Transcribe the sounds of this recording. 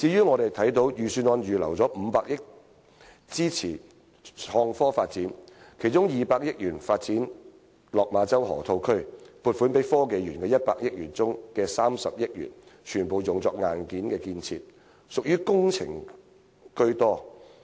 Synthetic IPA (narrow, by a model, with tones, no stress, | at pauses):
t͡siː˨˥jyː˥ŋɔː˨˧ɾe˨jt̪ʰɐ˨˥jt̪o˨˧˥wjyː˨˩syː˧nɔː˨˧njyː˨˩lɐ̰˨˩wt͡sɔː˨˥m̩˨˧paː˧k̚jɪ˥k̚ | t͡siː˥t͡sʰḭː˨˩ | hɔː˧ŋfɔː˥faː˧t̚t͡siː˨˥n | kʰe˨˩jt͡ʃʊ˥ŋjiː˨paː˧k̚jɪ˥k̚jyː˨˩nfaː˧t̚t͡siː˨˥n | lɔː˨k̚maː˨˧t͡sɐ˥wɦɔ̰ː˨˩t̪ʰo˧wkʰɵ˥ɥpuː˨˧t̚fuː˨˥npe˨˥jfɔː˥ke˧jjyː˨˩nkɛː˧jɐ˥t̚pa̰ː˧k̚jɪ˥k̚jyː˨˩nt͡sʊ˥ŋkɛː˧saː˥msɐ˨p̚jɪ˥k̚jy̰ː˨˩nt͡ʃʰyː˨˩npo˨˧wjʊ˨ŋt͡sɔː˧k̚ŋaː˨˧nkiː˨˥nkɛː˧kiː˧nt͡sʰḭː˧t̚ | sʊ˨k̚jyː˥kʊ˥ŋt͡sʰɪ̰˨˩ŋ | kɵ˥ɥt̪ɔː˥